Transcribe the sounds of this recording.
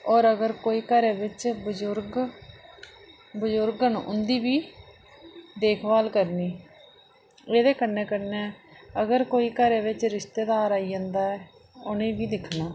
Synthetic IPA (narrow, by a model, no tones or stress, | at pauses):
ɔːɾəɡəɾkoːiːkəɾeːʋɪt͡ʃbəd͡ʒʊɾɡ | bəzʊɾɡənʔʊ̰nd̪iːbiː | d̪eːkʰbaːlkəɾniː | eːd̪eːkənːeːkənːẽːəɡəɾkoːiːkəɾeːʋɪt͡ʃɾɪʃt̪eːd̪aːɾaːiːãːnd̪aːɛː | ʊnẽːbiːd̪ɪkʰnaː